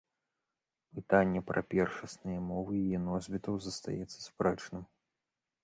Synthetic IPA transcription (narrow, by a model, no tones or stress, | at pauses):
pɨt̪anʲːɛpɾʔɐ̰pʲɛrʂɐsnɨjɐmɔvɨjijɛnɔzʲbʲit̪ɐwzɐst̪a̰jɛt̪sːɐ̥spɾɛt͡ʂnɨm